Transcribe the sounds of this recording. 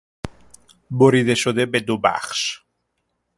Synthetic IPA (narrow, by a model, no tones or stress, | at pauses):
boɾiðeʃod̪ebed̪oba̰χʃ